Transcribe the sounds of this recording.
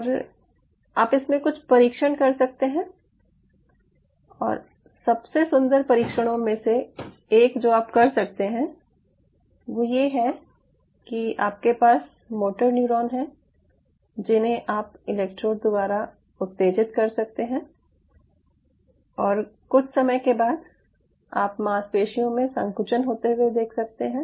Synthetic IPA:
ɾ | aːpɪsmẽkʊt͡ʃʰpɐɾiːkʃəɽkɐɾsɐk̚t̪eɦɛ̃ː | ɔ̰ːɾ | sɐbsesʊ̃nd̪əɾpɐɾiːkʃəɽ̃õmẽseː | kd͡ʒoːaːpkɐɾsɐk̚t̪eɦɛ̃ | ʋoːjeɦɛ | kia̰ːp̚kepaːs | moːʈəɾnuːɾɔːnɦɛ̃ | d͡ʒɪnɦẽʔaːpɪlɛːk̚ʈɾoːɾ̚d̪ʊbaːɾa | ʊt̪ːeːd͡ʒɪt̪kɐɾsɐk̚t̪eɦɛ̃ː | ɔːɾkʊt͡ʃʰsɐməjkebaːd̪ | a̰ːpmaːspeːʃijõmẽsɐ̃ŋkʊt͡ʃənɦoːt̪eɦuwed̪eːkʰsɐk̚t̪eɦɛ̃ː

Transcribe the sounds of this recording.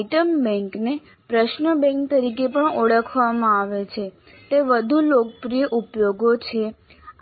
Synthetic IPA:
ʈəmbɛ̃ŋkne | pɾəʃnəbɛ̃ŋk̚t̪əɾikepəɳoɽəkʰʋamãaʋet͡ʃʰe | t̪eʋəd̪ʱulok̚pɾijəʔupjoɡot͡ʃʰe

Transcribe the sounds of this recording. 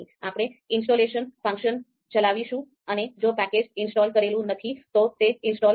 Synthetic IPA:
iapəɽ̃eɪnsʈoleʃənfə̃ŋkʃən | t͡ʃəlaʋiʃũ | əned͡ʒopɛked͡ʒɪnsʈɔlkəɾelũnət̪ʰit̪ot̪eɪnsʈɔ

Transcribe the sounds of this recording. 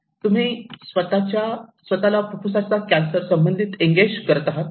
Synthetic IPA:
t̪um̤iːsʋət̪at͡ɕasʋət̪alapupʰusat͡sakænsəɾsəmbənd̪ʱit̪iŋɡed͡ʑkəɾt̪aɦat̪

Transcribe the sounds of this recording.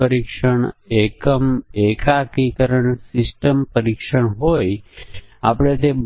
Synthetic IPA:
əɾikʃəɳekəmekakikəɾəɳsɪsʈəmpəɾikʃəɳɦoj | apɽ̃et̪e

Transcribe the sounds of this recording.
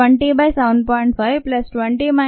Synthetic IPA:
əɳʈibajsaʊ̃ɳɖ̚pɔɪ̃ɳʈfajʋplɐsʈʋə̃ɳʈima

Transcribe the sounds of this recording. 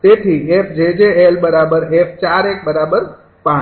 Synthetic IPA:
t̪et̪ʰiepʰd͡ʒed͡ʒeelbəɾabəɾepʰt͡ʃaɾek̚bəɾabəɾ | pã

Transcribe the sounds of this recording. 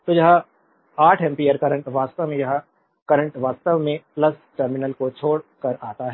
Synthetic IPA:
t̪ojɐɦã | aːʈʰɛ̃mpiəɾkɐɾə̃ɳʈʋaːst̪əʋmẽjɐɦã | kɐɾə̃ɳʈʋaːst̪əʋmẽplɐs | ʈəɾmɪnəlkot͡ʃʰoːɽkɐɾaːt̪aɦɛ

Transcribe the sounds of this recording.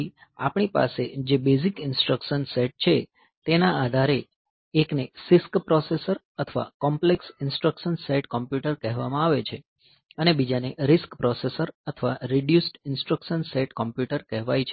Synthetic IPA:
ia̰pɳ̃ipa̰sed͡ʒebezikɪnsʈɾəkʃənseʈ̚t͡ʃʰe | t̪enaad̪ʱaɾeː | knesɪskpɾɔsesəɾ | ət̪ʰəʋa̰kɔmpleksɪnsʈɾəkʃənseʈkɔmpjuʈəɾkɛɦʋamãaʋet͡ʃʰe | ənebid͡ʒaneɾɪskpɾɔsesəɾət̪ʰəʋaɾiɖjusʈɪnsʈɾəkʃənseʈkɔmpjuʈəɾkɛɦʋajt͡ʃʰe

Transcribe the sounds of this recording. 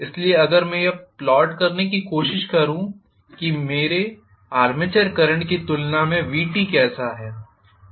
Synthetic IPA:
ɪslieɐɡəɾmɛ̃jeplɔːʈkɐɾnekikoːʃɪʃkɐɾũ | kimeːɾe | aːɾmɪt͡ʃəɾkɐɾə̃ɳʈkit̪ʊlnamẽʋiːʈikɛːsaɦɛː

